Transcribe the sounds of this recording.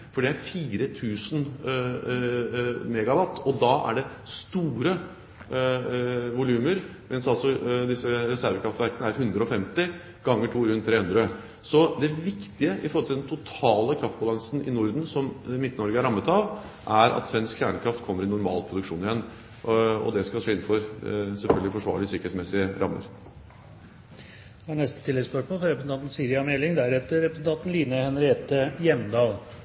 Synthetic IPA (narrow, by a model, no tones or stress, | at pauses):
fɔɖɛæɾfiːɾət̪ʰʉːsən | mɛːɡɑʋɑt̪ːɔd̪ɑʔæ̰ɖɛst̪uːɾə | ʋʊlʉːməɾ | mʔɛnsɑlsɔd̪ɪsːəɾɛsæɾʋəkʰɾɑft̪ʋæɾkənəæɾɦʉnd̪ɾəɔfɛmt̪ɪ | ɡɑŋːəʈʰuːɾʉnt̪ʰːɾeːhʉnd̪ɾə | sɔd̪ɛʋɪkt̪ɪəʔɪfɔɾɔlt̪ʰɪld̪ɛnt̪ʰʊt̪ʰɑːləkʰɾɑft̪̚bɑlɑŋsən̩ɪ̰nʊɾd̪n̩sɔmmɪt̪ːnɔɾɡəæɾɑmːət̪ɑʋ | ʔæɾɑ̰t̪sʋɛnskçæːɳəkʰɾɑft̪kʰɔmːəɾɪnʊɾmɑ̰ːlpʰɾʊd̪ʉkʂuːnɪjɛnː | ɔ̰d̪ɛskɑlʂeːɪnn̩fɔɾsɛlfœlɡəlɪfɔʂʋɑ̰ːɭɪsʏkəɾɛt̪smɛsɪəɾʔɑmːə̰ɾ | æɳɛst̪ət̪ʰɪlːɛɡspœʂmoːlfɾɔɾɛpɾəsn̩t̪ɑnt̪n̩siːɾɪɑmɛlɪŋd̪æɾɛt̪əɾɾɛpɾəsn̩t̪ʰɑnt̪n̩liːnəhɛnɾɪeːt̪əjɛmd̪ɑːl